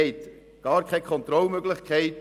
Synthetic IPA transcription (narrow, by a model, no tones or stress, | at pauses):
ɪt̪ | ɡ̥ɑːɾkʰɛɪkʰχɔnt̪ɾɔlmøɡlɪχkʰɛɪt